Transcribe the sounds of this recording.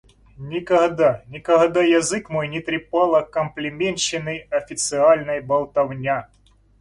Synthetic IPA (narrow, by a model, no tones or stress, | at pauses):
nʲɪkɐɣd̪anʲɪkɐɣd̪ajɐzɨkmojnʲɪt̪ɾʲɪpɑlˠɐkəmplʲɪmʲent͡ɕːɪnɨjɐfʲɪt̪sɨalʲnɐjbɐlˠt̪ɐvnʲa